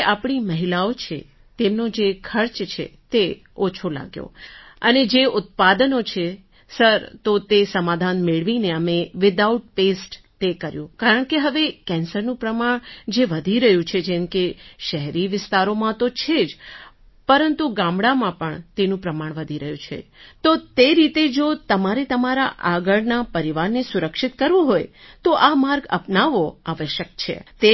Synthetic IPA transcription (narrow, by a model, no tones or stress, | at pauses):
ʔapɳ̃iməɦilaot͡ʃʰḛ | t̪emnõd͡ʒekʰəɾt͡ʃt͡ʃʰḛt̪e | ot͡ʃʰola̰ɡjo̰əned͡ʒeʊt̪̚pad̪ənot͡ʃʰe | səɾt̪ot̪esəmad̪ʱanmeɭʋineəmeʋɪd̪auʈ̚pesʈ | t̪ekəɾjũkaɾəɳ̃keɦəʋekɛ̃nsəɾnũpɾəmaɳd͡ʒeʋəd̪ʱiɾəɦjũt͡ʃʰed͡ʒemkeʃəɦɾiʋɪst̪aɾomãt̪ot͡ʃʰed͡ʒ | pəɾənt̪uɡãmɽamãpəɳt̪enũpɾəmaɳ̃ʋəd̪ʱiɾəɦjũt͡ʃʰḛt̪ot̪eɾit̪ed͡ʒot̪əmaɾet̪əmaɾaʔaɡəɭnapəɾiʋaɾnesʊɾəkʃɪt̪kəɾʋũɦojt̪oʔamaɾɡə̰pnaʋoaʋəʃjək̚t͡ʃʰḛt̪e